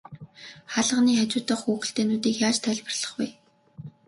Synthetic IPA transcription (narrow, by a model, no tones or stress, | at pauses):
χaɮə̆ʁniːxat͡ɕʊːt̪ə̆χxuːxɘ̆ɬt̪eːnuːt̪iːkjaːt͡ɕt̪ʰœɮʲpə̆rɮ̥ə̥̆χwuj